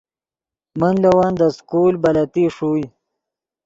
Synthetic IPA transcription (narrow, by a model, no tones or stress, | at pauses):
mənlawaːnd̪əskulbalat̪iʂuj